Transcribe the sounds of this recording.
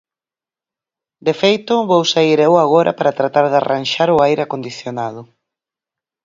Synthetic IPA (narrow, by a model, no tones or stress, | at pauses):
d̪efejt̪ʊβowsaiɾewaɣoɾa̰paɾat̪ɾat̪aɾðaranʃaɾʊajɾeakond̪iθjonað̞ʊ